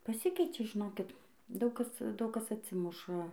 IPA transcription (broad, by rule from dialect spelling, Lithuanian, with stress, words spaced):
pɐˈsʲɪkʲɛɪt͡ʃʲɛ ʒʲɪˈnoːkʲɪt ˈdɐʊk ˈkɐs ˈdɐʊk ˈkɐs ɐtʲˈsʲɪmʊʃɐ